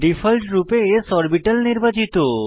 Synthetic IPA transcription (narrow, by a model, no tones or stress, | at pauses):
ɖifʰəlʈɾupeːsɔɾbiʈəlniɾbat͡ɕit̪o